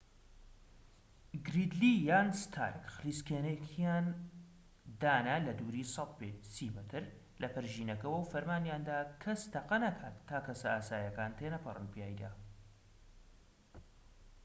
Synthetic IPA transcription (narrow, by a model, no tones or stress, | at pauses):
ɡɾid̪liːjaːnst̪ʰa̰ːɾkxriskeːnekʰijaːn | d̪aːnɐlɐd̪uːɾiːsˤɑt̪̚pesiːmɨt̪ʰɨɾ | lɐpɨɾʒiːnɐkɐwəwfɐɾmaːnjaːnd̪aːkʰɐst̪ʰɐqɐnɐkʰaːt̪ʰːaːkɐsɐaːsaːjɐkaːnt̪ʰeːnɐpʰɨrˤɨ̰npijaːjd̪a̰